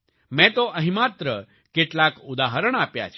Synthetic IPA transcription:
mɛ̃t̪oʔəɦĩmat̪ɾə | keʈlakud̪aɦəɾəɳ̃apja̰t͡ʃʰ

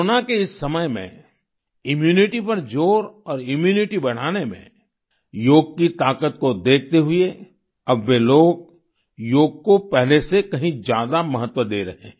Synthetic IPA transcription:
nakeɪsːɐməjmḛ̃ | ɪmjuːnɪʈipɐɾd͡ʒoːɾɔːɾɪmjuːnɪʈibɐɽ̤aːnemḛ̃ | joːɡ̚kit̪aːkət̪̚kod̪eːk̚ʰt̪eɦʊe | ɐbʋeloːɡ | joːɡ̚kopɛɦlesekɐɦĩd͡ʒjaːd̪amɐɦət̪wəd̪eːɾɐɦḛ̃

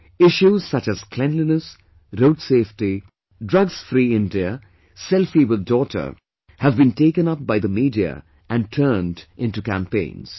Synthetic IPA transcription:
ɪʃuz̥sʌt͡ʃɨz̥kʰlɛ̃nlinəs | ɾoʊtseːfʈi | dɹʌɡsfɾiɪ̃ndiə | sɛlfiwɪd̪̚ːɔːtʰə̰˞ | hævbĩnteɪkə̃nʌp̚baɪd̪əmiːdiə̰ | ʔæ̃nʈʰəːndʔɪ̃nʈukæ̰̃mpḛ̃ɪ̃nz̥

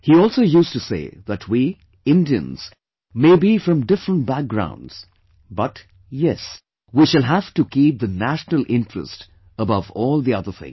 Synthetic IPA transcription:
hiɔlˠsoʊjustusḛɪðætʰwi | ɪ̃ndiɨ̰̃nz̥ | meɪbifɹʌ̃mdɪfɹə̃nt̚bæk̚ɡɹã̰ʊ̃ndz̥ | bʌt | jɛs | wiʃɨlˠɦæv̥tukip̚ðɨnæʃnəlˠʔɪ̃ntɹ̥ə̰st | əbʌvɔːlˠðiʌðə˞θɪ̰̃ŋ

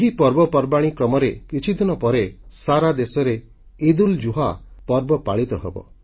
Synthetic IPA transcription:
eɦipɔɾbɔpɔɾbaɽ̃ikɾɔmɔɾekit͡ʃʰid̪inɔpɔɾesaɾad̪esɔɾe | id̪uld͡ʒuɦapɔɾbɔpaɭit̪ɔɦebɔ̰

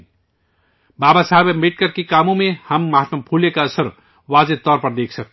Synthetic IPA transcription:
babasaɦbemiʈ̚kəɾkikamõmehəmːaɦat̪mapʰulekaəsəɾ | wad͡zet̪ɔɾpəɾd̪ekʰsʰək̚

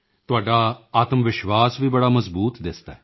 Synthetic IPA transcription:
t̪ʊaːɖaːaːt̪əmʋɪʃʋaːsʋiːbəɽaːməzbuːt̪d̪ɪsd̪a

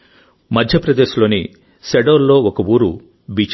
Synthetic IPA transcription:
mɐd̪ʱjɐpɾɐd̪eːʃlo̞ːni | seɖoːɾlo̞ːɔkɐwuːɾṵ | biːt͡ʃ

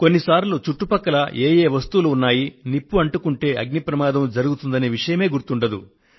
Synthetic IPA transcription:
ko̞nːisaːɾlut͡ʃuʈːupɐkːɐlɐʔeːje̞ːʋɐst̪uluːnːaːjinipːuɐɳʈukuɳʈe̞ːʔɐɡnipɾɐmaːd̪ɐmd͡ʒɐɾuɡut̪und̪ɐneːʋiʂɐjɐme̞ːɡuɾt̪uɳɖɐd̪ṵ

